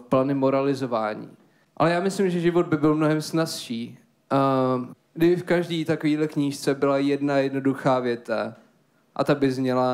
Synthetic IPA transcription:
planɪmoɾalɪzovaːɲḭː | ʔa̰lɛjaːmɪslɪmʒɛʒɪvo̞d̪̚bɪbɪlmnoɦɛmsnasʃiː | ɡdɪbɪfkaʒdiːt̪akoviːdlɛkɲiːʃt͡sɛbɪlajɛdnajɛdno̞duxaːvjɛt̪a̰ | ʔa̰t̪abɪzmɲɛla

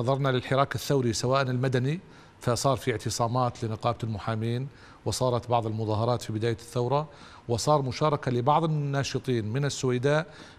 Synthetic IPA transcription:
ɑðˤɑɾˤnalɪlħɪɾˤɑːkɪθːawɾisawaːʔnɪlmad̪ani | fasˤɑːɾˤfiʕt̪ɨsˤɑːmaːt̪lɪnɪqɑːblmʊħaːmiːn | wɪsˤɑːɾˤɑt̪bɑʕðˤɪlmʊðˤɑːɦɑɾˤɑːt̪fibɪd̪aːjaθːawɾˤɑ | wɪsˤɑːɾˤmʊʃɑːɾˤɑkalɪbɑʕðˤɪnnːɑːʃɨt̪ˤiːnmɪnɪsːʊwajd̪aːʔ

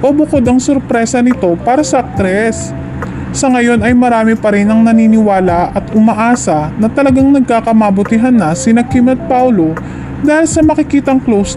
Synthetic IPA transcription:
ʔoːbʊkod̪ɐŋsoɾpɾɛːsɐnɪt̪o̞paːɾɐsɐk̚t̪ɾɛsː | ɐŋɐjo̞nɐjmɐɾaːmɪpɐɾɪnɐŋnɐniːnɪwaːlɐʔɐt̪ʔʊmɐʔaːsɐnɐt̪ɐlɐɡaŋnɐɡ̚kaːkɐmabʊt̪ɪɦɐnːɐsɪnɐkimɛt̪̚pawlo | d̪aːhɪlsɐmɐkɪkiːt̪ɐŋklows

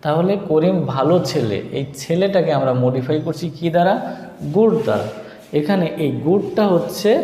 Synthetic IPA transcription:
t̪aɦolekoɾimbʱalot͡ɕʰelḛḛjt͡ɕʰeleʈakeamɾamoɖifʰajkoɾt͡ɕʰikid̪aɾa | ɡuɖd̪a̰ɾa̰ | ekʰaneʔejɡuɖʈaɦotːɕʰe

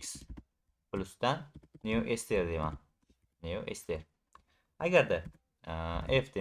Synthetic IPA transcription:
ks | plusd̪anːioʔest̪eɾd̪ema̰n | nioʔest̪eɾ | aɡʲaɾd̪a | efd̪e

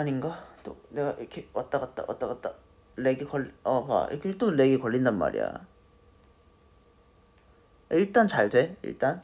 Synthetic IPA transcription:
aɲinɡat͈one̞ɡaʔikʰewʌt͈akatt͈a̰wʌ̰t͈ak͈at̚t͈a | le̞ɡikʌɭːʌpa̰ḭkʰet͈ole̞ɡikʌɭːindanma̰ɾḭja̰ | iɭt͈ant͡ɕaɭdwe̞ḭɭt͈an

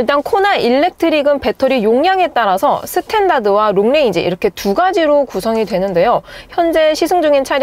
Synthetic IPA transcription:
iɭt͈ankʰonaiɭːe̞k̚tʰɯɾiɡɯnpe̞tʰʌɾijoŋjaŋɦe̞t͈aɾasʰʌ̰sʰɯtʰe̞ndadɯwaɾoŋneid͡ʑḛḭɾʌkʰe̞tuɡad͡ʑiɾokusʰʌŋidwe̞nɯnde̞joçjʌnd͡ʑe̞ɕʰisʰɯŋd͡ʑuŋint͡ɕʰaɾj

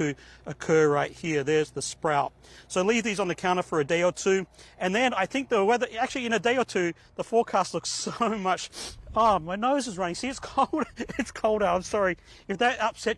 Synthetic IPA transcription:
ɨɨkʰɜ˞ɹaɪt̚hiɹðə˞zðɨspɹaʊt̚soʊlivðizn̩ðɨkʰãʊ̃ɾ̃əfə˞ɨdeɪə˞tʰʉɨ̃nðɨ̃naɪθɪ̃ŋk̚ðəwɛðə˞æk̚t͡ʃʉl̩ˠiɨ̃ñɨdeɪə˞tʰʉ | ðəfɔɹkʰæstˡlʊksoʊmʌt͡ʃʌmaɪnoʊzɨzɹʌñɪ̃ŋsiɨtskʰoʊlˠdɨtskʰoʊlˠdaãɪ̃msɑɹi | ɨfðɨɾʌpsɛt̚

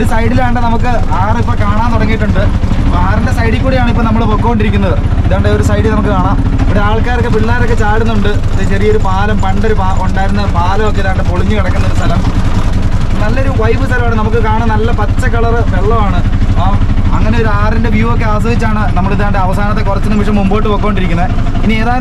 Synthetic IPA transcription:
oɾusɐjɽilaːɳɖɨnɐmukːɨ | aːripːokaːɳaːnt̪oɽɐŋːijːʈːuɳɖɨ | aːrindesɐjɽikʲːuːɽejaːɳɨipːonɐmːɐɭpoːkːɐːoɳɖiɾikʲːunːɐðɨ | iðaːɳɖeo̞ɾusɐjɽilnɐmukːɨkaːɳaːm | oɾuaːɭkaːɾokːepiɭːaːɾo̞kːe̞t͡ɕaːɽunːuɳɖɨ | ðɨt͡ɕɐrijɐoɾupaːlɐmpɐɳɖoɾupaːoɳɖaːjiɾunːɐpaːlɐmokːeiðaːɳɖɨpo̞ɭiɲːukɐɽɐkːunːɐo̞ɾust̪ʰɐlɐm | nɐlːɐo̞ɾuʋɐjʋɨst̪ʰɐlɐmaːɳnɐmukːɨkaːɳɐnɐlːɐpɐt͡ɕːɐkɐɭɐrɨʋeɭːɐmaːɳɨ | ɐŋːɐne̞o̞ɾuaːrinde̞ʋjiːʋɐokːe̞ɐːs̬ɐʋit͡ɕːaːɳɨnɐmːɐɭiðaːɳɖɨɐʋɐsaːnɐt̪ːe̞kurɐt͡ɕːunːɨmiʂɐmːumboːjʈːɨpoːkːɐːoɳɖiɾikʲːunːɐð | inieːðaː

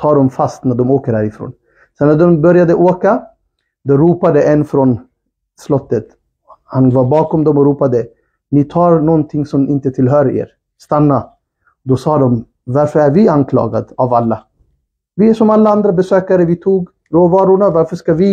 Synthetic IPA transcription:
t̪ʰɑːɖɔmfast̪næɖɔmoːkəɾhæːɾɪfɾo̰ːn | sɛnːæɖɔmbœɾjad̪əʔoːka | d̪ɔɾuːpad̪əʔɛnːfɾɔn | slɔt̪ːət̪ | hanvɑːɾbɑːkɔmd̪ɔmɔɾuːpad̪ə | nɪt̪ʰɑːɾnɔnt̪ʰɪŋːsɔmɪnt̪ət̪ʰɪlɦœːɾḛːɾ | st̪anːa | d̪ɔsɑːd̪ɔm | vaɾfœɾæɾvɪankʰlɑ̰ːɡa̰d̪avalːa | vɪæʂɔmalːaand̪ɾabɛsøːkaɾəvɪt̪ʰuːɡ | ɾoːvɑːɾʊɳavaɾfœʂkavɪ

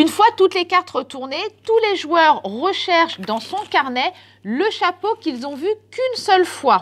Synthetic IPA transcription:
ynfwat̪ut̪lekaʁt̪ʁət̪uʁnet̪uleʒwœʁːəʃɛʁʃd̪ɑ̃sɔ̃kaʁnɛ | ləʃapokʲilzɔ̃vykynsœlfwa

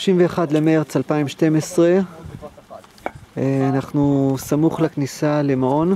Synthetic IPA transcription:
oʃimveːχad̪lemeʁt͡salpaimʃte̞mesʁe̞ | eanaχnusamuχleknisalemaʁo̞n

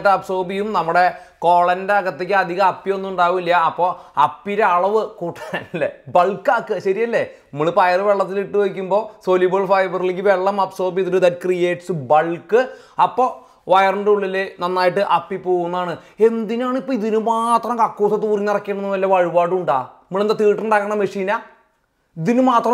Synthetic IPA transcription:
ʈːɨɐbso̞ːrbijumnɐmːuɽe̞ko̞ːɭɐndeɐɣɐt̪ːek̬ʲːɨɐd̪ʱiɣɐmɐpːio̞nːuuɳɖaːɣumilːjɐɐpːo̞ːɐpːiɾe̞ɐɭɐʋɨkuːʈːanlːebɐɭkːɐkːɨɕɐɾijɐlːe̞ | muɭɨpɐjɐrɨʋe̞ɭːɐt̪ːiliʈːɨʋɐk̬ʲːumbo̞ːsolibɐɭfɐjbɐrileŋɡʲiʋe̞ɭːɐmɐbso̞ːrbijiðoɾud̪ɐtkrijeːʈsɨbɐɭkɨ | ɐpːo̞ː | ʋɐjɐrɐɳɖuɭːɐlːenɐnːaːjiʈːɨʔɐpːipoːɣunːɐðaːɳɨe̞nd̪inaːɳipːoiðinumaːt̪rɐmkɐkːuːsɐt̪uːrinirɐkːeɳɐnːuʋɐlːeʋɐɻiʋaːɽuɳɖa̰ːimuɭend̪at̪iːʈːuɳɖaːkːɐɳɐmɐʂiːna | iðinɨmaːt̪rɐ

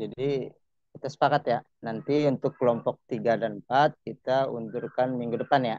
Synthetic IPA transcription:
d͡ʒadi | kit̪asə̥pakat̪ja | nant̪iunt̪ʊkːəlɔmpɔk̚t̪iɡadanmpat̪̚kit̪aṵɲd͡ʒurkanmiŋɡudəpanja

